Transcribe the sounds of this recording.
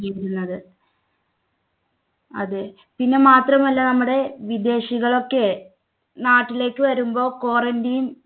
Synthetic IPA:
ejiɾunːɐðɨ | ɐðɨ | pinːe̞maːt̪rɐmɐlːɐnɐmːuɽe̞ʋid̪e̞ːɕiɣɐɭo̞kːe̞ | naːʈːile̞ːkːɨʋɐɾumbo̞ːko̞ːrɐndijum

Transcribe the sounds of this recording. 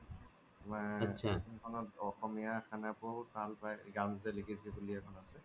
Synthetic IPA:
amaasʰankʰɔnɔtɔxɔmijakʰanapoɦut̚balpajɡamzɛlikʰizibuliakʰɔnasɛ

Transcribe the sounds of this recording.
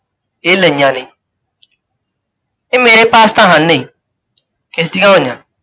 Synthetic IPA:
eleɲane | emeɾepastaɦãe | kestikãoɲã

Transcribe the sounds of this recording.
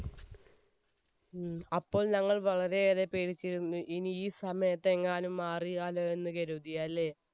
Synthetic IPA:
ɐpːo̞ːɭnɐŋːɐɭʋɐɭɐɾe̞ːðepːeːɽit͡ɕːiɾunːuʔiniːsɐmɐjɐt̪ːe̞ŋːaːnumːaːriaːloe̞nːɨkɐɾud̪ijɐlːe̞

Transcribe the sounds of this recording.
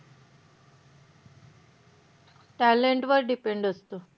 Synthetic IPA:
ʈɛleɳʈʋəɾɖipeɳɖəst̪ũ

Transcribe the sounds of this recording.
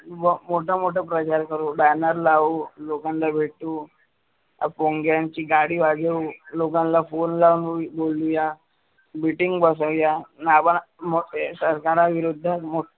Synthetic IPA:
ʋmoʈʰamoʈəpɾət͡ɕaɾkəɾobanəɾlaulokãnlabʱeʈu | poŋɡjant͡ɕiːɡaɽiːʋad͡zeulokãnlafonlaʋnbolːuja | biʈiŋɡbəs̬əʋjanabəɳmosəɾkaɾaʋiɾud̪ʱːamo

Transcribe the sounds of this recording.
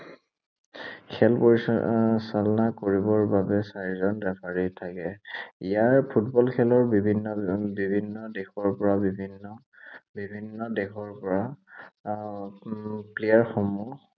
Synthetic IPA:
kʰɛlpoɹissalɔnakoɹibɔɹbabɛsaɹizɔnbɛpʰaɹitʰakɛijaɹpʰutbɔlkʰɛlɔɹbibʱinːɔbibʱinːɔdexɔɹpɔɹabibʱinːɔ | bibʱinːɔdɛxɔɹpɔɹa | plejaɹxomu

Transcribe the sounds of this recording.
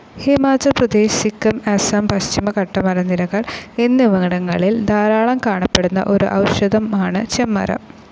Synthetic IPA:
himaːd͡ʑɐlprɐd̪eːɕikːɐmɐsɐmpɐɕt͡ɕimɐkɐʈːɐmɐɾɐnːilɐɣɐɭenːiʋɐŋiɽɐŋːɐɭild̪aːɾaːɭɐmkaːɳɐpːeɽunːɐ̰ʔo̞ɾṵʔɐwɕɐd̪ɐmaːɳɨt͡ɕemːɐ̰ɾɐ̰

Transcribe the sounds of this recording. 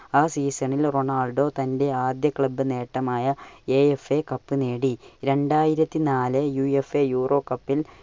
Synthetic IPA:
aːsiːsɐɳilro̞ɳaːlɖo̞ːt̪ɐnde̞aːd̪jɐkɭɐbːɨne̞ːʈːɐmaːjɐe̞ːefekɐpːɨne̞ːɽiɾe̞ɳɖaːjiɾɐt̪ːinaːlɨjuefejuːrʔo̞ːkɐpːil

